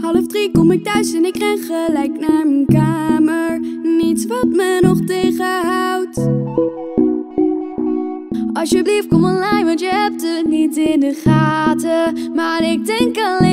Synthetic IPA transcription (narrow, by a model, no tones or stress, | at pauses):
hɑləvdrikɔmɪk̚tœɥsɛnɪkrɛnχəlɛjknaːɹmənkaːməɹnitsʋɑtmənɔχtejχəɦɑwt | ɑlsjəblift̚kɔmənlɛjʋɑntjəɦɛp̚tənitɪndəχaːtəmaːɹɪk̚dɛŋkəl